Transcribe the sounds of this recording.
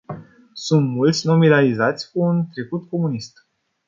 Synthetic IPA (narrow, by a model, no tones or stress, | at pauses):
sunt̪mult̪sʲno̞milalizat̪sʲkuːnt̪ɾe̞kut̪ko̞munist̪